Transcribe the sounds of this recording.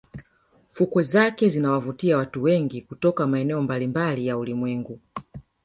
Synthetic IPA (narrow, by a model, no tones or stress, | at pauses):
fukɔzakɛzinawavutiawatuwɛŋɡikutɔkamaɛnɛɔmbalimbalijaulimwɛŋɡu